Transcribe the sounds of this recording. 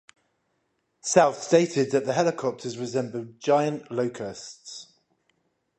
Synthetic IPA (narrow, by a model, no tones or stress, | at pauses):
saʊθsteɪtʰɪd̪̚ðəʔðəɦɛlɪkʰɒp̚tʰəzɹɪzɛ̃mbəlˠd͡ʒaɪə̃nʔləʊkʰəsts